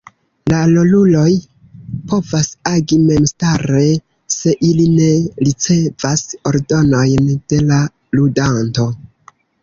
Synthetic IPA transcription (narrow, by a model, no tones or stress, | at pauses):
lalo̞lulo̞j | po̞vasaɡime̞mstaɾe̞ | se̞ʔiline̞ɾit͡se̞vaso̞ɾdo̞no̞jnd̥e̞la | ludanto̞